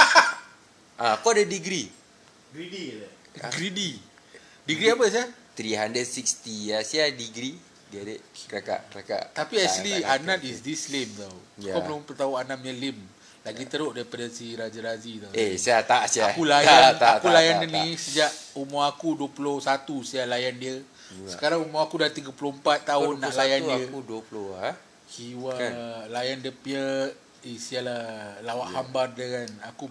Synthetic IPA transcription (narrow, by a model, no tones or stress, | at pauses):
ʔakoadədiɡɾi | ɡidi | ɡɾidi | diɡɾiapəs̬iaht̪ɾiɦandɾəd̚sik̚st̪ijasiadiɡɾi | ɡɛdɛʔ̚kaka̰ʔkəlaka̰ʔt̪apiɛslianãt̪̚isdislemt̪awjakalupət̪auanamɲəlim | laɡit̪əɾoʔdaɾipadəsiɾad͡ʒaɾazit̪aesiat̪aʔsiakulajanaakulajaninisəd͡ʒaʔumoakuduəpulʊhsat̪usialajandiə | sə̥kaɾaŋumoakudat̪iɡəpulompat̪ːaʊnːaʔlajaniəkudəplʊa | kiwalajandiəpə | isialalawaʔhambardəɡanaku